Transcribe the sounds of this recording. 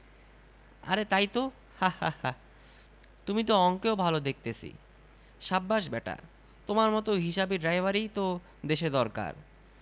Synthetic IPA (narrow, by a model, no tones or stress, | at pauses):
a̰ɾet̪ajt̪o | hahaha | t̪umit̪̬oɔŋkeobʱalod̪ek̚ʰt̪et͡ɕʰḭ | ʃabːaʃbɛʈa̰ | t̪omaɾmɔt̪oɦiʃabeɖɾajbʱaɾit̪o | d̪eʃed̪ɔɾka̰ɾ